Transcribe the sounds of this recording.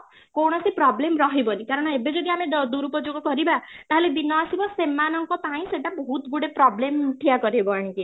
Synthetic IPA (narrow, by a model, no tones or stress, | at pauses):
kowɽ̃ʌsipɾɔblemrʌɦibʌnikaɾʌɽ̃ʌebed͡ʒʌɡeamed̪d̪uɾupʌd͡zoɡɔkʌɾibat̪aɦãled̪inːʌːsibʌsemːanʌŋkopaĩseʈːabɔɦut̪ɡuɽepɾɔblemʈʰiakʌɾebʌɽ̃ĩki